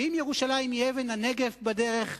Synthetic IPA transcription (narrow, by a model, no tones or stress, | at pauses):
imjeʁuʃalaimievenaneɡefbade̞ʁe̞χ